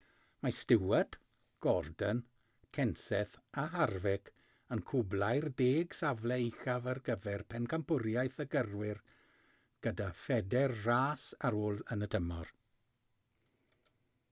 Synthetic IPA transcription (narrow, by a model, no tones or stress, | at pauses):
mastɪwɛd | ɡ̥ɔrdən | kʰɛnsɛθaɦarvɪkʰ | ənkʰʊblajrdeːɡ̥savlɛɪxavarɡəvɛrpʰɛnkʰampʊɾjajθəɡərwɪr | ɡ̥ədafɛdɛrraːsaɾoːlˠənətʰəmɔ̰r